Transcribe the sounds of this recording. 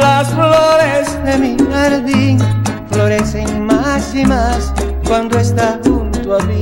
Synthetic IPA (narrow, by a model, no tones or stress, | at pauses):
lasfloɾezðemiɣaɾðiŋfloɾeseŋmasimas | kwãnd̪oest̪ahunt̪oaβi